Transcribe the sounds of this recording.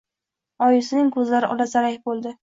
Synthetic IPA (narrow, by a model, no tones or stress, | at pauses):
ɒjɪsɪnɪŋkʰɵzlaɾɪʔɒlasaɾajbolˠd̪ɪ